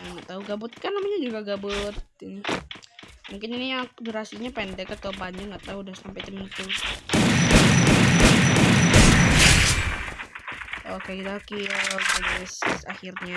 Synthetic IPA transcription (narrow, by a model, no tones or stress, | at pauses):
aŋɡaʔt̪auɡabʊt̪̚kanːamaɲad͡ʒuɡaɡabʊt̪̚ | muŋkɪniniaduɾasiɲapɛndɛkat̪aupaɲaŋɡaʔt̪audahsampajt̪əmiŋt̪u | okekit̪akiɔbad͡ʒɛsɛsa̰xirɲa